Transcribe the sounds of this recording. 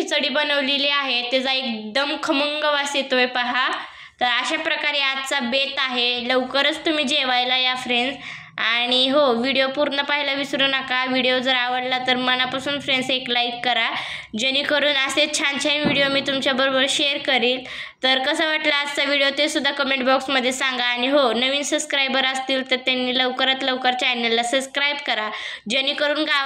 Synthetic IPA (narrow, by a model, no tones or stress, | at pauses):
it͡səɽiːbənəʋleliaɦet̪ed͡zaek̚d̪əmkʰəməŋɡəʋaset̪ojpaɦa | t̪əɾəɕapɾəkaɾeat̪̚t͡sabet̪aɦeləwkəɾət͡st̪um̤iːd͡ʑeʋajlajafɾens | aɽ̃iɦoʋiɽijopuɾɳəpaɦilaʋisɾuːnakaʋiɽijod͡zəɾaʋəɽlat̪əɾməɳ̃apasuːnfɾenseklajkːəɾa | d͡ʑenːiːkəɾuːnaset͡ɕʰant͡ɕʰajnʋiɽijomiːt̪umt͡ɕabəɾobəɾɕeəɾkəɾiːl | t̪əɾkəsaʋaʈlaːd͡zt͡saʋiɽijot̪esud̪ʱːakəmẽɳʈbɔksməd̪ʱːjesaŋɡaːɽ̃iɦonəʋiːnsəbskɾajbəɾəst̪iːlt̪əɾt̪janːiːləʋkəɾət̪ləʋkəɾt͡ɕajnelːasəbskɾajbkəɾa | d͡ʑeniːkəɾuːnɡa